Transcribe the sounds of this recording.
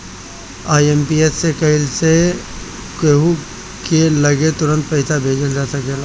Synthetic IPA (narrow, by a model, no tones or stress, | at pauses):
aːiempiesːekɐɪlse | keɦu | kelɐɡet̪ʊɾə̃nt̪̚pɐɪsabʱeːd͡ʒəld͡ʒaːsɐkelaː